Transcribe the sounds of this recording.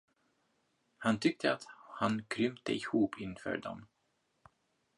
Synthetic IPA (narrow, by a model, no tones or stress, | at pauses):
hant̪ʰʏk̚t̪ʰəat̪hankʰɾʏmt̪ə̰ɪhuːpʰɪnfœ̰ːɖɔ̰m